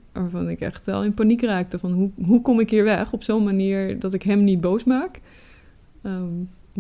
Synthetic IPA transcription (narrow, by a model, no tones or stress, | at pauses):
ʋaːɹvɑnɪkɛ̰χtʋɛ̰lˠɪnpanikraːk̚təvɑnɦuɦukɔmɪkɦiːɹʋɛχɔpsownmaniːɹdɑtɪkɦɛmnit̚bowsmaːk